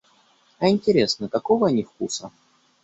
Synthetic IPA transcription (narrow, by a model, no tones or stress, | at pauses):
ɐɪnʲtʲɪɾʲesnək̪ɐkovənʲɪfkusə